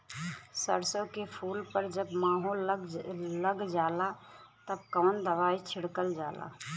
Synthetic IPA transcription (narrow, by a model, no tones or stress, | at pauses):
sə̰ɽsokepʰuːlpəɾd͡ʒəbmaːɦol | ləɡd͡ʒaːlat̪əb̚kɔːnd̪əʋaːit͡ʃʰiɽkəld͡ʒaːla̰